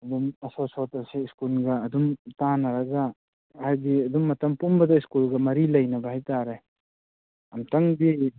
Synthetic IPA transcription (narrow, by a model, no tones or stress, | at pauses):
ɐdumɐsosɔtɐsiːskulɡɐːdumtanɐɾɐɡa | hajdiɐdumːɐtɐmpumbɐdɐiskulɡɐmɐɾilɐjnɐbɐhajtaɾe | ɐmtɐŋbi